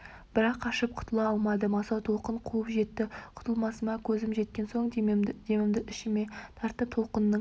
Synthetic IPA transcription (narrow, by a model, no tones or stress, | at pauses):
b̥ɪɾɑqʰːɑʃəp̚qʰʊ̥t̪əlˠɑɑlˠmɑd̪əmɑsɑwt̪ʰo̞qəɴqʰuəpʒe̞t̪ːɪqʰʊ̥t̪əlˠmɑsəmɑkʲʰɵzɪmʒe̞t̪̚kʲe̞nso̞ɴd̪d̪e̞mɪmd̪ɪʔɪʃɪme̞t̪ʰɑɾt̪əp̚t̪ʰo̞lˠqənːə